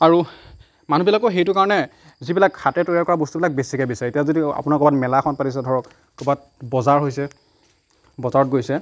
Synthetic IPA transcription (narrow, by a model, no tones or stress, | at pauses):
aɹu | manubilakɔxejtʊkaɹɔnɛ | zibilakxatɛtɔɹijaɹkɔɹabɔstubilak̚besikɛbisaɹɛetiazodia̰pʊnakɔbatmɛlaxʰɔnpatis̬ɛdʱɔɹɔkː | ubat̚ | bɔzaɹɦojsɛ | bɔzaɹɔt̚ɡojsɛ